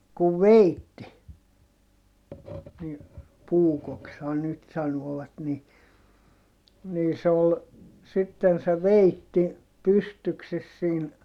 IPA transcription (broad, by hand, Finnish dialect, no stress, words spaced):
kuʋ ʋeitːi ni puːkokshɑn nyt sɑnoːʋ̆ɑt ni niː se ol sitːen se ʋeitːi pystykses siːn